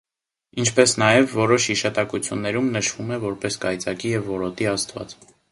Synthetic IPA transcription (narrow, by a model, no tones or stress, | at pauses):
int͡ʃʰpɛsnɑjɛvːɔɾɔʃhiʃɑt̪ɑkut͡sʰjunːɛɾumnəʃv̥umɛvɔɾpɛskɑjt͡sɑkijɛvːɔɾɔt̪iɑst̪vɑ̰t͡s